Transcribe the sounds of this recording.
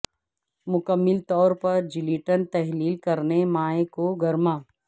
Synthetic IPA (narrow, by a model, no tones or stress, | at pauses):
mʊkəmːɪlt̪ɔːɾpɐɾd͡ʒɪliːʈənt̪ɛɦliːlkɐɾnemaːẽkoɡɐɾmaː